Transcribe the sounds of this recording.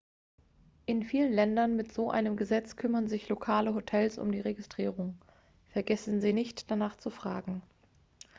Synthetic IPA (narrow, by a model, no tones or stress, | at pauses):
ʔɪnfiːlənlɛndɐnmɪtz̥oːʔa̰ɪnəmɡəzɛt͡skʰʏmɐnzɪçlokʰaːləɦotʰɛlsʊ̰mdiːʁeɡɪstʁ̥iːʁʊŋ | fɛɐɡɛsn̩ziːnɪçtd̥anaːχt͡sufʁ̥aːɡŋ̩